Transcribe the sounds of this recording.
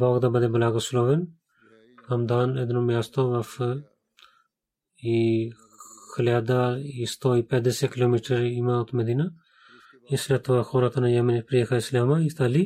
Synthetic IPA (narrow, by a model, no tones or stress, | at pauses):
bɔːɡd̪abɐd̪ebɐlaːɡɐsuloʋen | hɐmd̪aːned̪numjaːst̪oʋɐf | i | xʰəlaːd̪aist̪oipɛd̪esekiloːmiʈɐɾimat̪mɐd̪ina | islet̪ʰʋɐxoɾat̪ʰɐnɐjɐminpɾijekʰaislamaist̪ali